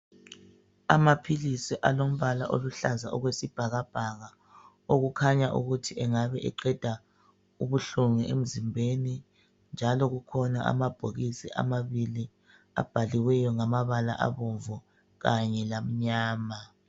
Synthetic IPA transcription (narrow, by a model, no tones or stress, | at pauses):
amapʰilisiʔalom̩βala̰ʔo̰luɬazaʔɔɣwesib̥ʱaɣab̥ʱaɣa | oɣukʰaɲaʔṵɣutʰiɛŋaβɛʔɛ̰ǃɛd̥ʱa | uβuɬuŋɛʔem̩zimbʱeni | nd͡ʒʱalɔɣukʰɔna̰ʔa̰mab̥ʱoɣisiʔa̰maβili | a̰b̥ʱaliwɛjɔŋamaβala̰ʔa̰βoɱvɔ | ɣaɲɛlam̩ɲaːma